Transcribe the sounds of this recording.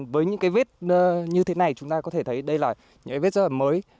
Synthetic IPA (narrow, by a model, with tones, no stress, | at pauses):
vəː˨˦jɲɨ̰˧˥ŋkaː˨˦ve˦˥t̚ːɲɨ˧t̪ʰe˨˦na˨˩jt͡ɕʊ˨˦ŋ͡mt̪aː˧kɔ˨˦t̪ʰe˧˩t̪ʰə˨˦jɗə˧jlaː˨˩ | ɲɨ̰˧˥ŋkːve˦˥t̚zə˧˥ʔə˨˩məː˨˦j